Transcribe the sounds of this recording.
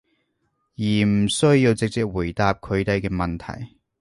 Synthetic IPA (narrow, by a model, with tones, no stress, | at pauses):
jiː˨˩m̩˨˩sɵ˥ɥjiː˧wt͡sɪ˨k̚t͡sɪ˧k̚wuː˨˩jt̪aː˧p̚kʰɵ˨˧ɥt̪ɐ˨˧jkɛː˧mɐ˨nt̪ʰɐ̰˨˩j